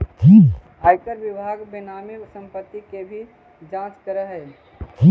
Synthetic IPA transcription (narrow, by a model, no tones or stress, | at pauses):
t̪ʰi | ajkəɾʋɪbʱaɡbɪnaːmisə̃mpət̪ːikebʱi | d͡ʒãt͡ʃkəɾəɦɛː | t̪ʰi